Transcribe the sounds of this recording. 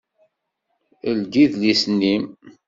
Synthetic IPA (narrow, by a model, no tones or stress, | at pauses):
əld̪iðlisnːim